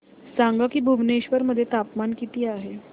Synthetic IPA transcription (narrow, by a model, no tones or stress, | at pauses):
saŋɡakiːbʱuʋneɕʋəɾməd̪ʱːjet̪apmankit̪iːaɦe